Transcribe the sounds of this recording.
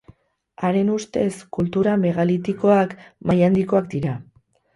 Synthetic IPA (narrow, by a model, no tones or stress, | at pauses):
aɾe̞nust̪e̞skult̪uɾame̞ɣalit̪iko̞akmajand̪iko̞ak̚d̪iɾa